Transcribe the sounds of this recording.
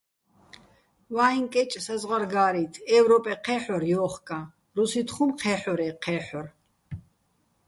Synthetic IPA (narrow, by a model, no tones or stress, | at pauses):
vaːiŋkʼɛt͡ʃʼsazʁaɾɡaːɾit̪ʰɛvɾɔpʼɛqʰɛːħɔɾjɔːχkʼa | ɾusit̪χumqʰɛːħɔɾɛqʰɛːħɔr